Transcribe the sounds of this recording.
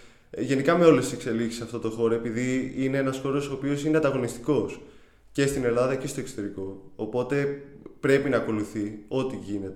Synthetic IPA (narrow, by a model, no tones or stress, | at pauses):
ʝe̞nikɐmeo̞lest̪ise̞kse̞liksi̥sɐft̪o̞t̪o̞xo̞ɾoepiðiineenɐsxo̞ɾo̞so̞ːpio̞sineɐd̪ɐɣo̞nist̪i̥ko̞s | ce̞st̪ine̞lɐðɐce̞st̪oe̞ksot̪e̞ɾiko̞ːpo̞t̪e̞pɾe̞pinɐːko̞luθio̞t̪iʝine̞t̪e